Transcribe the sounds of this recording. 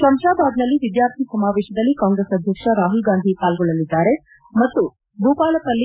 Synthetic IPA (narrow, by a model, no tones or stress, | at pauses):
sɐmʂaːbaːd̪nɐlːiʋid̪jaːɾt̪ʰisɐmaːʋɛːʃɐd̪ɐlːikaːŋɡɾesɐd̪ʱjɐkʂɐɾaːɦulɡaːnd̪ʱipaːlɡɔɭːɐlid̪ːaːɾe̞ | mɐt̪ːu | bʱuːpaːlɐpɐlːi